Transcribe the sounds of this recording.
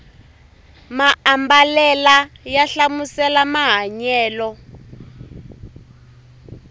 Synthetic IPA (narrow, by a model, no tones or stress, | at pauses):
maambalɛlajaɬamusɛlamaɦaɲɛːlɔ